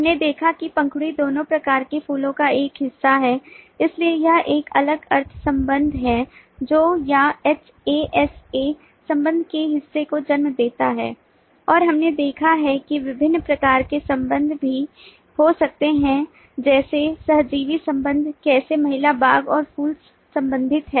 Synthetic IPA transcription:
ɦɐmned̪eːkʰakipɐ̃ŋkʰɽid̪oːnõpɾɐkaːɾkefʰuːlõkaeːkɦɪsːaɦɛːɪsliejɐʔeːkɐləɡɐɾt̪ʰsɐ̃mbə̃nd̪ʱɦɛ | d͡ʒoːjaɛt͡ʃ | eʔɛse | sɐ̃mbə̃nd̪ʱkeɦɪsːekod͡ʒɐnmd̪eːt̪aɦɛ̰ː | ɔːɾɦɐmned̪eːkʰaɦɛkiʋɪbʱɪnːpɾɐkaːɾkesɐ̃mbə̃nd̪ʱbʱi | hosɐk̚t̪eɦɛ̃ | d͡ʒɛːsesɐɦd͡ʒiːʋisɐ̃mbə̃nd̪ʱkɛːsemɐɦɪlabʱaːɡɔːɾfuːl | sɐ̃mbə̃nd̪ʱɪt̪ɦɛː

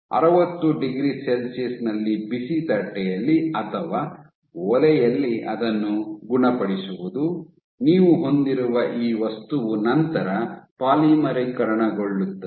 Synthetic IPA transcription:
ɐ̰ɾɐʋɐt̪ːuɖiɡɾiselsisnɐlːibisit̪ɐʈːɛjɐlːiɐt̪ʰɐʋaː | ɔlɛjɐlːiʔɐd̪ɐnːuɡuɳɐpɐɽisuʋud̪u | niːʋuɦo̞nd̪iɾuʋɐʔiːʋɐst̪uʋunɐnt̪ɐɾɐpaːliːmɐɾɐkɐɾɐɳɐɡoɭːut̪ːɐ

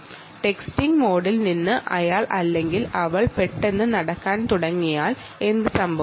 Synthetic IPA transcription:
ʈe̞kstiŋɡmo̞ːɽilninːɨʔɐjaːɭʔɐlːe̞ŋɡilɐʋɐɭpe̞ʈːe̞nːɨnɐɽɐkːaːnt̪uɽɐŋːijaːɭ | e̞nd̪ɨsɐmbʱɐ

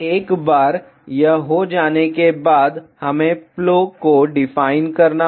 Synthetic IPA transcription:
eːkbaːɾ | jɐɦɦod͡ʒaːnekebaːd̪hɐmẽploːkoɖɪfaːɪnkɐɾna

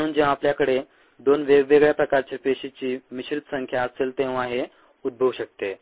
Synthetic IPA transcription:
əɽuːnd͡ʑeʋãapljakəɽe | d̪onʋeʋeɡɭjapɾəkaɾt͡ɕepeɕit͡ɕiːmiɕɾit̪səŋkʰjaəseːlt̪ẽʋaɦe | ud̪̚bʱəʋɕək̚t̪e

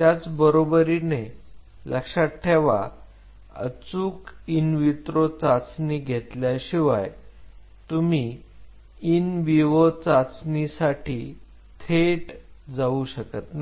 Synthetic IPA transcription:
t̪jat͡sbəɾobəɾine | lʔəkʂaʈʰːeʋa̰ | ə̰t͡suːkinʋit̪ɾot͡sat͡sniɡʱet̪ljaɕiʋaj | t̪umi | inʋiʋot͡sat͡snisaʈʰiː | t̪ʰeʈd͡zauɕəkət̪na

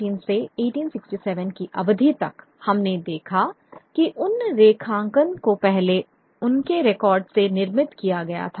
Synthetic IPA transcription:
iːnseeːʈiːnsɪksʈisɛːʋənkiʔɐbd̪ʱit̪ɐk | hɐmned̪eːkʰa | kiʔʊnɾeːkʰãːŋɡənkopɛɦle | ʊnkeɾekɔːɾɖsenɪɾmɪt̪kijaɡɐja̰t̪ʰa

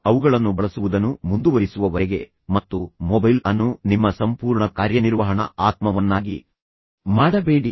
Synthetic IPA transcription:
ɐʋuɡɐɭɐnːubɐɭɐsuʋud̪ɐnːumund̪uʋɐɾisuʋɐʋɐɾɛɡe̞ | mɐt̪ːumɔbɐjlɐnːunimːɐsɐmpuːɾɳɐkaːɾjɐniɾʋɐɦɐɳɐ̰aːt̪mɐʋɐnːaːɡi | maːɽɐbeːɽi

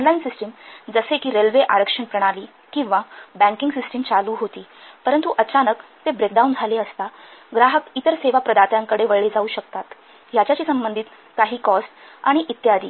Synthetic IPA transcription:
ɔnlainsisʈəmd͡zəsekiːɾelʋeʔaɾəkʂəɳpɾəɽ̃aliː | kĩw̃ʋabæ̃ŋkiŋɡsisʈemt͡saluːɦot̪iːpəɾənt̪uʔət͡ɕanəkt̪ebɾekɖaund͡zʱaleəst̪aɡɾaɦəkit̪əɾseʋapɾəd̪at̪jãŋkəɽeʋəɭed͡zauːɕəkt̪at̪ | jat͡ɕjat͡ɕiːsəmbənd̪ʱiːt̪ | kaɦiːkɔsʈ | a̰ɽ̃iʔit̪jad̪ḭː

